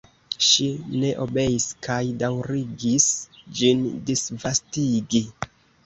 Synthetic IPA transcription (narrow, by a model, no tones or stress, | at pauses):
ʃine̞ʔo̞be̞jiskajdawɾiɡisd͡ʒindisvastiɡi